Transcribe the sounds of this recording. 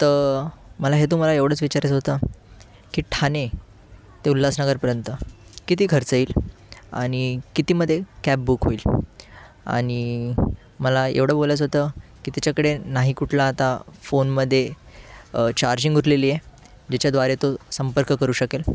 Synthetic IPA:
t̪əɾməlaɦet̪̬um̤alaeʋɽ̤əːt͡sʋit͡ɕaɾət͡sɦot̪ə | kiːʈʰane | t̪eulːasnəɡəɾpəɾjənt̪əkit̪iːkʰəɾt͡səiːla̰ɽ̃ikit̪iːməd̪ʱːjekæp̚bukɦoiːl | a̰ɽ̃i | məlaḛʋɽ̤əbolət͡sɦot̪əkit̪at͡ɕjakəɽenaɦikuʈʰlaːt̪afonməd̪ʱːje | t͡ɕaɾd͡ʑiŋɡuʈleliːje | d͡ʑet͡ɕjad̪ʋaɾet̪osəmpəɾkkəɾuːɕəkel

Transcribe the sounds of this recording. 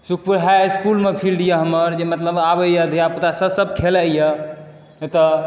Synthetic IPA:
sukʰpuɾɦaskulmepʰilɖijaɦəməɾd͡ʒemət̪ləbabəjəd̪ʱjaput̪asəbsəb̚t̪ʰelajjə | t̪ɔ

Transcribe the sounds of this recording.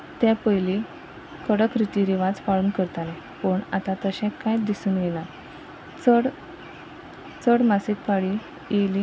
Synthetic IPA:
t̪jãpəɦjli | kəɽəkɾit̪iɾiʋad͡zfaɭuːnkəɾt̪alɛ̃ | pəɳa̰t̪ãt̪əɕɛ̃kajd̪isuːnɡela | t͡səɽ | t͡səɽmasikpaɭi | jeli

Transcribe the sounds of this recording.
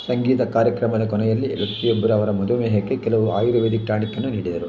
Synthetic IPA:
sɐŋɡiːt̪ɐkaːɾjɐkɾɐmɐd̪ɐkɔnɛjɐlːilɐk̪ijobːɐɾuɐʋɐɾɐmɐd̪umeːɦekːekɛlɐʋuaːjuɾuʋeːd̪ikːaːɳikːɐnːuniːɽid̪ɐɾu

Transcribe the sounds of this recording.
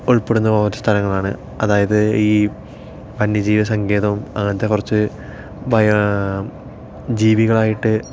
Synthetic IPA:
uɭpeɽunːɐʋɐwt̪ːɐst̪ʰɐlɐŋːɐɭaːɳɨ̰ | ɐðaːjɐðɨiː | pɐnjɐd͡ʑiːʋɐs̬ɐŋɡe̞ːðɐʋumɐŋːɐnɐt̪ːe̞kurɐt͡ɕːɨ | bɐjɐ | d͡ʑiːʋiɣɐɭaːjiʈːɨ

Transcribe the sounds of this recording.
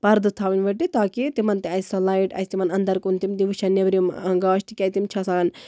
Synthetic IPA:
pɐɾd̪ɨt̪ʰaːʋinʲʋɐʈit̪aːkit̪imɐnt̪iɐjsʲsɐlaːiʈɐ̰jsʲt̪imɐnɐnd̪ɐɾkunt̪imd̪iʋuʃɐnːeʋɾimɐŋɡaːʃʈ̪ʰikʲɐjt̪imt͡ʃʰasan

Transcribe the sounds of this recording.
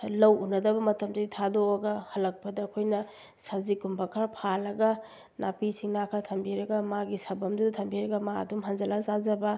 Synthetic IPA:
lɐwʔunɐdɐbɐmɐtɐmd͡ʒɐɡitʰadoɐɡɐhɐlɐk̚pɐdɐːkʰojnɐ | sɐzikumbɐkʰɐɾpʰalɐɡɐ | nʔapisiŋnakʰɐtʰɐmbiɾɐɡɐmaɡisɐbɐmdudɐtʰɐmbiɾɐɡɐmaɐ̰dumɦɐnd͡ʒɐlazazɐbɐ

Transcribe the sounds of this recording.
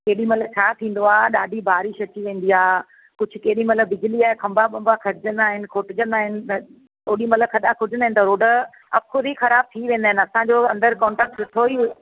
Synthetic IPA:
keːɗĩmɐlə̆t͡ɕʰaːt̪ʰĩːn̆d̪oaːɗaːɖʱibʱaːɾɪʃɐt͡ɕiʋẽːn̆d̪iaː | kʊd͡ʑʱʊ̆keːɗĩmɐt̪ləbːɪd͡ʑʱɪliaːkʰɐ̃mbaɓɐ̃mbakʰɐɾɪd͡ʑə̃nd̪aːɦɪnɪ̆kʰoːʈɪd͡ʑə̃nd̪aːɦɪnɪ̆ | oːɗĩmɐt̪ləkʰɐɗakʰʊɾɪd͡ʑənd̪aɦɪnt̪ɐɾoːɖə | ɐpkʰʊd̪ixɐɾaːb̚t̪ʰiʋẽːnd̪aːɦɪnɐsãd͡ʑoɐ̃nd̪əɾkɔ̃ːɳʈaːk̚ʈʋɪt̪ʰoi

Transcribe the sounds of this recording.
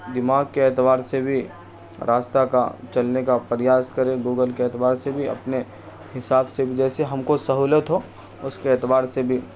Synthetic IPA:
d̪ɪmaːɡkeɛt̪ʋaːɾsebʱi | ɾʔaːst̪aka̰t͡ʃɐlnekapəɾjaːskɐɾẽɡuːɡəlkeɛːt̪ʋaːɾsebʱiɐ̰pne | hɪsaːbsebʱid͡ʒɛːseɦɐmkosɐɦuːlət̪ɦoː | ʊskeɛt̪ʋaːɾsebʱi

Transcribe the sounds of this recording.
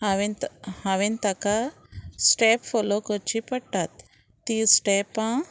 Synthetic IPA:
haʋenhaʋent̪aka | sʈepfɔlokət͡ʃipəɽʈat̪ː | isʈepã

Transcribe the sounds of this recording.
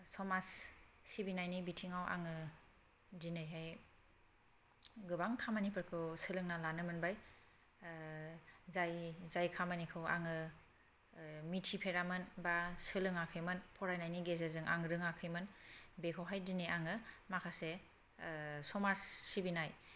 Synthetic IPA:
sɔmasːibinajnibitʰiŋawa̰ŋɯ | dinɯjɦaj | ɡɯbaŋkʰamanipʰɯɾkʰɯwsɯlɯŋnalanɯmɯnbaj | zajzajkʰamanikʰɯwa̰ŋɯ | mitʰipʰeɾamɯnbasɯlɯŋakʰɯjmɯnpʰɔɾajnajniɡezezɯŋʔa̰ŋɾɯŋakʰɯjmɯnbekʰɯwɦajdinejaŋɯmakʰase | sɔmasːibinaj

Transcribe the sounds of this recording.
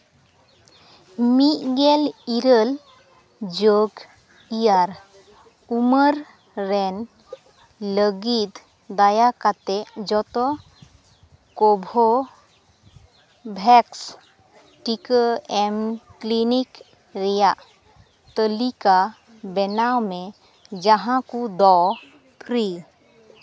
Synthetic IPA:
mit̪̚ɡɛliɾəl | d͡ʒoɡ | ijaɾ | uməɾ | ɾɛn | ləɡit̪ | d̪ajakat̪ɛʔd͡ʒɔt̪ɔ | kɔbʱɔ | bʱɛks | ʈikəɛmklinik | ɾɛjaʔ | t̪əlika | bɛnawmɛ | d͡ʒaɦãkud̪ɔ | pʰɾi

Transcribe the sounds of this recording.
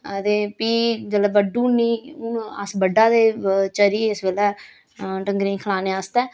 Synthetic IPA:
t̪eːpiːd͡ʒələbəɖũːniːʊə̰sbəɖaːd̪eːt͡ʃəɾiːɪsbeːlɛː | ʈəŋɡɾĩːkʰəlaːneːaːst̪ɛː

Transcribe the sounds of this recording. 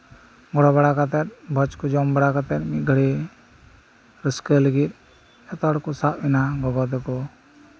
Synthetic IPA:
ɡɔɽɔbaɽakat̪ɛt̪̚bʱɔt͡ʃkud͡ʒɔmbaɽakat̪ɛt̪̚mit̪̚ɡʱəɽi | ɾəskələɡit̪̚ | ɛt̪ɔɽkɔsaʔ̚inaɡɔɡɔd̪ɛkɔ

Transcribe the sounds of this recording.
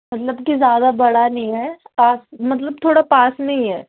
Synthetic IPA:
mɐt̪ləbkizjaːd̪abɐɽanɐɦĩɦɛːpaːsmɐt̪̬ləb̚t̪ʰoːɽapaːsnɐɦĩɦɛː

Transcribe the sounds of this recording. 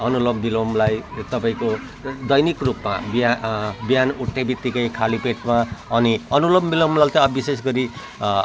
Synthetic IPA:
ʌnulʌmbilomlajt̪ʌpaĩko | d̪ʌjnikrupmababijanuʈʰːebit̪ːikʌjkʰalipeʈmaʌniʌnulʌmbilʌmlat̪ʌʌbises̬ɡʌɾi

